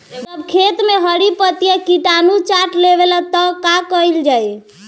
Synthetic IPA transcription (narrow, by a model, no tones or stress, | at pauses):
d͡ʒəbkʰet̪meɦəɽipət̪jakiʈanut͡ʃaʈleβelat̪ɔkakəild͡ʒaj